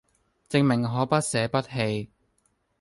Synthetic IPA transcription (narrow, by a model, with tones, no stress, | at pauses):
t͡sɪ˧ŋmɪ˨˩ŋɦɔː˨˥pɐ˥t̚sɛː˨˥pɐ˥t̚ɦe˧j